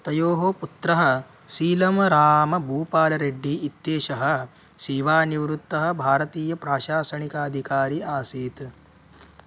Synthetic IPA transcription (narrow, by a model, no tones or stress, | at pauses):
t̪ɐjoːɦoput̪ɾɐɦɐ̆ | siːlɐmɐɾaːmɐbʱuːpaːlɐɾeɖːiːt̪ːeːʃɐɦɐ̆ | siːʋaːniʋɾut̪ːɐɦɐ̆bʱaːɾɐt̪iːjɐpɾaːʃaːsɐɳikaːd̪ʱikaːɾiaːsiːt̪